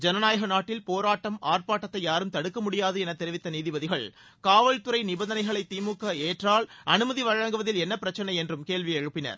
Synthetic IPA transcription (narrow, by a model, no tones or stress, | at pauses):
d͡ʒɛnɐnaːjɐɣɐnaːʈːɪlpoːɾaːʈːɐmaːrpaːʈːɐt̪ːɐɪjaːɾɯmt̪ɐɽɯkːɐmʊɽɪjaːðɯɛnɐt̪ːɛɾɪʋɪt̪ːɐniːðɪbɐðɪɣɐɭ | kaːʋɐɭt̪ɯɾɐɪnɪbɐnd̪ɐnɐɪɣɐɭɐɪt̪ːiːmuːkːɐeːʈraːlʔɐnɯmɐðiʋɐɻɐŋɡɯʋɐðɪlɛnːɐpːɪɾɐt͡ʃːɐnɐɪɛndrɯmkeːɭʋiɛɻɯpːɪnɐ̰ɾ